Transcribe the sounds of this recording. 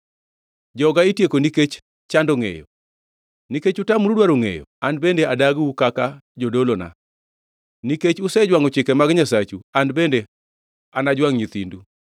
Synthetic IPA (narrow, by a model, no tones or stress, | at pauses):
d͡ʒɔɡaitjekoniket͡ʃ | t͡ʃandɔŋḛjɔ̰ | niket͡ʃʊtamɾudwaɾoŋḛjɔ̰andbendeadaɡukakad͡ʒodolona̰ | niket͡ʃʊsɛd͡ʒwaŋɔt͡ʃɪkɛmaɡɲasat͡ʃuandbende | anad͡ʒwaŋɲit̪indu